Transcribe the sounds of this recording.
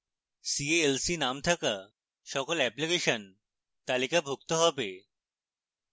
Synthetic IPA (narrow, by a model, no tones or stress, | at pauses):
sieelsinamt̪ʰɐka | ʃɔkɔlɛplikeʃən | t̪alikabʱuk̚t̪oɦɔbe